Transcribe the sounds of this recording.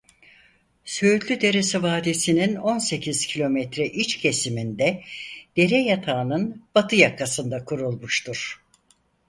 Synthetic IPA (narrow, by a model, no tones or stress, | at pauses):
søt̪lʲyd̪e̞ɾesɛvaːd̪esinino̞nse̞cʰiz̥cʰilʲo̞mɛt̪ɾɛʔit͡ʃcʰe̞simind̪ɛd̪̥e̞ɾɛjat̪ʰaːnɯnb̥at̪ʰɯjakːasɯnd̪akʰuɾulˠmuʃt̪ʰuɾ̥